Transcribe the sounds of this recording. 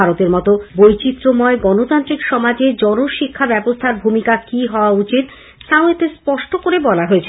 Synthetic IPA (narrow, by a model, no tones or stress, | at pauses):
aɾot̪eɾmɔt̪obojt͡ɕit̪ːɾomɔeɡɔnot̪ant̪ɾikʃɔmad͡ʑed͡ʑɔnoʃikʰːabɛbost̪ʰaɾbʱumikakiɦɔoaut͡ɕit̪ | sawet̪espɔʃʈokoɾebɔlaɦoet͡ɕʰe